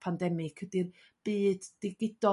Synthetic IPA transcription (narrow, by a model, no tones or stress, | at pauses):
pʰandɛmɪkʰədir | b̥iːdːɪɡɪdɔ